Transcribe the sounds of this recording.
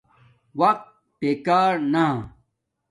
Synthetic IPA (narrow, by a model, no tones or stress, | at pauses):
wɐq̚t̪̚ | peːkaːɾnã